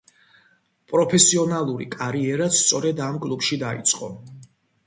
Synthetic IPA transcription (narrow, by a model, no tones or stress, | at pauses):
pʼɾɔpʰɛsiɔnalˠuɾḭkʼaɾiɛɾast̪sʼɔɾɛd̪amkʼlˠubʃid̪aḭt̪sʼqʼɔ